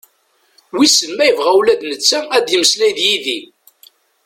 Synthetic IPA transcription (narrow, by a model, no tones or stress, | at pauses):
wisənmæjəvʁæwlæd̪nət͡sːææd̪jəməslæjðjiði